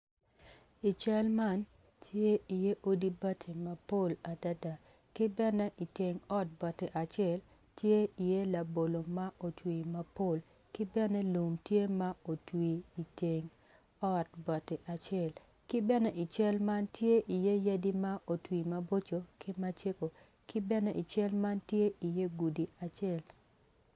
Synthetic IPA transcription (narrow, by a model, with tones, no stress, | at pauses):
i˨t͡ʃɛ˦lma˦n | tʰje˦i˨je˦ʔo˦di˦ba˦tʰe˨ma˨po˦˨la˨da˦da˨ | kɪ˦bɛ˦nɛ˦ʔi˨te˨ŋɔ˦t̚bɔ˨te˨ʔa˨t͡ʃɪ˦ɛ˦l | tje˦i˨je˦la˨bo˨lo˨ma˦ʔo˨twi˨ma˦po˦˨l | kɪ˦bɛ˦nɛ˦lo˨mtje˦ma˦o˨twiː˨te˨ŋ | ɔ˦tbɔ˨te˨ʔa˨t͡ʃɛ˦˨l | kɪ˦bɛ˦nɛ˦ʔɪ˨t͡ʃɛ˦lma˦ntje˦ʔi˨je˦ja˦di˦ma˦ʔo˨twi˨ma˦bo˦t͡ʃo˨kɪ˦ma˦t͡ʃe˦ko˨ | kɪ˦bɛ˦nɛ˦ʔi˨t͡ʃɛ˦lma˦ntje˦ʔi˨je˦ɡu˨di˨a˨t͡ʃɪɛ˦˨l